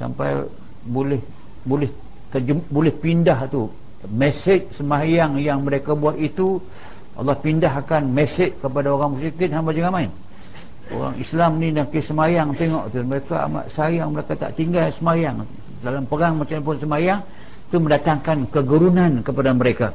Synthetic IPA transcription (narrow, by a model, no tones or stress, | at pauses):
sa̰mpa̰j | bolɛh | bolɛh | t̪əd͡ʒəmbolɛhpindaɦt̪u | mesɪt͡ʃ̚səmajaŋjaŋməɾekabuat̪it̪u | ʔɑ̰lːɑhpindaɦakanmɛsɪt̪̚kəpadaoɾaŋmusikɪt̪̚hambad͡ʒəŋamaɪn | o̰ɾa̰ŋḭslamnĩdaŋkisəmajaŋt̪eŋɔʔt̪uməɾeka̰a̰ma̰ʔsajaŋməɾekat̪a̰ʔt̪iŋɡalsəmajaŋ | dalampəɾaŋmat͡ʃamp̬ʊnsəmajaŋ | t̪uməndat̪aŋkankəɡəɾunankəpadaməɾeka